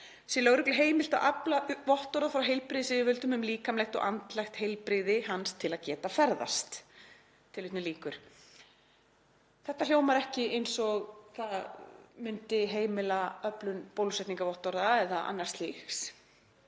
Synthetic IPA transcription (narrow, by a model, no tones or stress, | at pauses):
sɪlœɣɾʏklɪɦeːjmɪl̥t̪aʔaplavɔht̪ɔɾðafɾawɦejlpɾɪðɪsɪvɪvʏlt̪ʏmʏmliːkamlɛjxt̪ɔ̰ɣʔant̪lajxt̪hejlpɾɪðɪɦanst̪ʰɪlaðcɛːt̪afɛɾða̰st̪ | t̪ʰːɪlʏht̪nɪliːkʏɾ̥ | θɛht̪al̥joːwmaɾɛhcɪʔejnsɔɣθaðmʏnt̪ɪɦeːjmɪlaœplʏnpoːwlsɛht̪niŋkavɔht̪ɔɾðaɛðaa̰nːaɾ̥st̪lixs